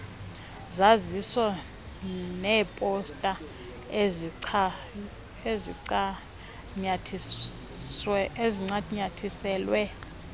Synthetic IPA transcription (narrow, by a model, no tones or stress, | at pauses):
zazisɔ | nɛːpʼɔstʼa | eziǀ | ɲatʰ | eziŋ͡ǀaɲatʰisɛːlwɛ